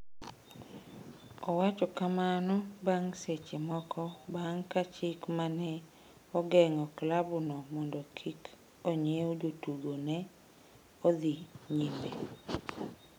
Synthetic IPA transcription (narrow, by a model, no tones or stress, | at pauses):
ɔwat͡ʃɔkamanɔbaŋset͡ʃemɔkʰɔbaŋkat͡ʃɪkmanɛ | ɔɡɛŋɔklabʊnɔmɔndɔkʰik | ɔɲjeod͡ʒotuɡonɛ | ɔd̪iɲimbe